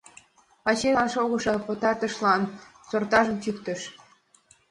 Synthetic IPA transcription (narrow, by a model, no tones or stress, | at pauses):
ɑt͡ɕelɑnʃoɣɤ̆ʃɤpə̆t̪ɑrt̪ə̆ʃlɑn | sort̪ɑʒə̆mt̪ykt̪ə̆ʃ